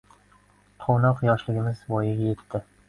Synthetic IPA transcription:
qʰownɒqjɒʃlɪɡʲɪmɪzvɒjɪɡʲaje̞t̪ʰːɪ

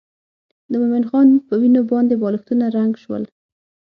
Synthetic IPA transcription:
d̪əmomɪnxɑnpəwinobɑnd̪ebɑlɪxt̪unaɾaŋɡʃwə̰l

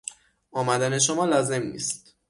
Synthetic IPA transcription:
ʔɒːmæd̪æne̞ʃ̬omɒːlɒːze̞mnḭːst̪

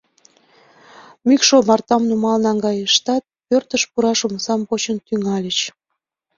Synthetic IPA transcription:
mykʃomɑrt̪ɑmnumɑlnɑŋɡɑjəʃt̪ɑt̪̚pørt̪əʃpuɾɑʃuməsɑmpot͡ɕənt̪yŋɑlʲət͡ɕ

